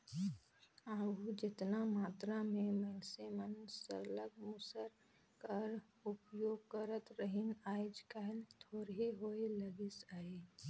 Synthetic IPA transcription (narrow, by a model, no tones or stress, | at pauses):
aːud͡ʒɪt̪namaːt̪ɾamẽməlsemənsə̰ɾləɡmʊsəɾ | kəɾ | ʊpjoːɡkəɾət̪ɾəɦɪnaːɪd͡ʒkaɦlt̪ʰoːɾɦeɦoːeləɡɪsaːe